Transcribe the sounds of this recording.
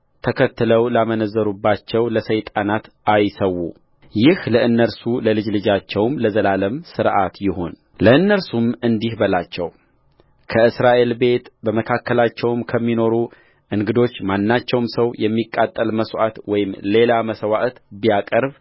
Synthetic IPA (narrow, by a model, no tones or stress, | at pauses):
t̪ʰəkʰət̪ːɨləwlamənəzːəɾubːat͡ʃːɛwləsəjt̪ʼanat̪ | ajsəwːṵ | jɪhləʔɨnːəɾsuləlɨd͡ʒlɨd͡ʒat͡ʃːɛwmləzəlaləmsɨɾʔat̪jɪho̞n | ləɨnːəɾsumɨnd̪ihbəlat͡ʃːɛw | kʰəɨsɾaʔe̞lbe̞t̪bəməkʰakːəlat͡ʃːɛwmkʰəmːino̞ɾu | ʔɨŋɡɨd̪o̞t͡ʃːmanːat͡ʃːɛwmsəwjɛmːikʼːat̪ʼːəlməsʔat̪wɔjɪmle̞laməsəwaʔt̪bijakʼəɾb